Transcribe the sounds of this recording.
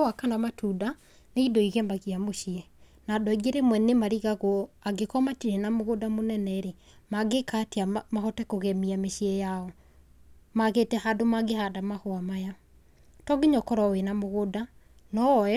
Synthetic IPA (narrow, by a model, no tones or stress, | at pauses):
wakanamatuda | neidoiɣemaɣiamoʃiɛ | nadɔiɡeɾemwɛnemaɾiɣaɣwɔaɡekɔmatiɾenamoɣodamonɛnɛɾe | maɡekateamahɔtɛkoɣɛmiameʃiɛjaɔ | maɣetɛhadomaɡehadamahwamaja | tɔɡeɲɔkɔɾɔwenamoɣoda | nɔɔɛ